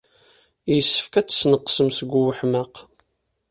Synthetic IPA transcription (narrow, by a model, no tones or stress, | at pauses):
jəsːə̥fkæt͡sːsnəqːsəmsəɡʷuwəħməq